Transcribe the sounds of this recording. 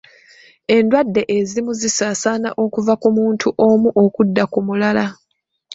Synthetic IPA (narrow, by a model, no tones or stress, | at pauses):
e̞ndwadːe̞ʔezimuzisaːsana̰ʔo̞kuvakumuːntʰuʔo̞muʔo̞kudːakumulala